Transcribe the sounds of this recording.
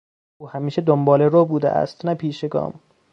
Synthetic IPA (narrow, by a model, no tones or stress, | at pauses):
uːhæmiːʃed̪ombɒːleɾobuːd̪ḛʔæ̰st̪næpʰiːʃeɡɒ̰ːm